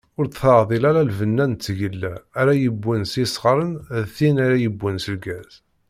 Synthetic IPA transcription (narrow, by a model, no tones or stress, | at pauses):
ʊɾt̪θəɾðˤilæɾælvənːænt͡s̪ːʝəlːæːɾæjəbːənsisʁɾˤənðθinæɾæjəbːənsəlɡæz̥